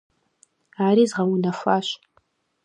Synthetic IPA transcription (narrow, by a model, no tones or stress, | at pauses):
aːɾiːzʁɐwunɐfʷaːɕ